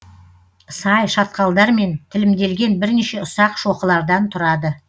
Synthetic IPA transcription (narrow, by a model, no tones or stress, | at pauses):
sɑjʃɑt̪̚qɑlˠd̪ɑɾme̞nt̪ʰɪlɪmd̪e̞lɡʲe̞nbɪɾneʃe̞ʊsɑqʃo̞qəlˠɑɾd̪ɑnt̪ʰʊɾɑd̪ə